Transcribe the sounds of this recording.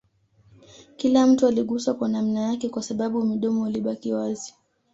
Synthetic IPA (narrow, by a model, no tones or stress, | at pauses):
kilam̩tualiɠuswakwanam̩najakɛkwasaɓaɓumiɗɔmɔuliɓakiwazi